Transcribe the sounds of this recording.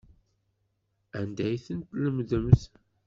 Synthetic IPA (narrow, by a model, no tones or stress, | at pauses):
ənd̪æjθənt̪ləmðəmθ